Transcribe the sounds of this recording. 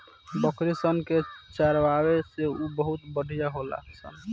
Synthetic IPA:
bəkɾisənket͡ʃəɾwabeseubəɦut̪bəɽʱijaɦola̰ksə̰n

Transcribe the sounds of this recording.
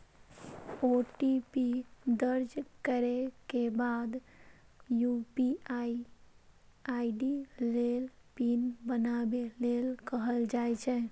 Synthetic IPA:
oʈipid̪əɾd͡ʒkəɾekebad̪ | jupiai | aiɖilelpinbənabelelkəɦəld͡ʒajt͡ʃʰɛ

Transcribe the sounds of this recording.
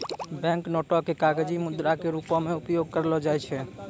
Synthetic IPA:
bɛ̃ŋknoʈɔkekaɡed͡ʒimud̪ɾakeɾupɔmeupjoɡ̚kəɾlɔd͡ʒajt͡ʃʰɛ

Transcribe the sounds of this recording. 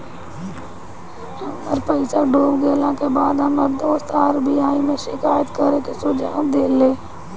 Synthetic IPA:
ɦɐməɾpəɪsaɖʱoːbɡeːlãkebaːd̪ɦɐməɾd̪oːst̪aːɾbiaːimẽʃɪkaːjət̪kəɾekesʊd͡ʒa̰ːnd̪eːleː

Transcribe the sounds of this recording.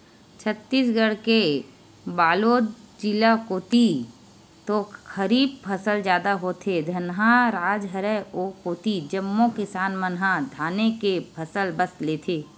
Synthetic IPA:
t͡ʃʰət̪ːiːsɡəɽke | baːloːd̪d͡ʒɪlakoːt̪i | t̪oxʰəɾiːb̚pʰəsəld͡ʒjaːd̪aɦot̪ʰed̪ʱɐnɦãɾaːd͡ʒɦəɾəoːkoːt̪id͡ʒəmːokɪsaːnmənɦad̪ʱaːnekepʰəsəlbəst̪leːt̪ʰeː

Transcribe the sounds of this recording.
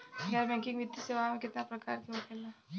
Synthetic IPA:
jaɾbɛ̃ŋkɪŋʋit̪ːiseʋamekɪt̪napɾəka̰ɾkiot̪ela

